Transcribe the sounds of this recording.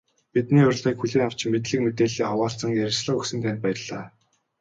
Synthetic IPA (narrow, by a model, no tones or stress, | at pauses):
pit̪niːʊrɮiːkxuɮiːŋaw̥t͡ɕɪ̆mmet̪ɮɘ̆kmet̪eːɮiːawaːɬt͡sə̆ŋjæɾʲɪ̆sɮə̆ɵksɘ̆nt̪ʰæn̆ʲt̪pæjə̆ɮaː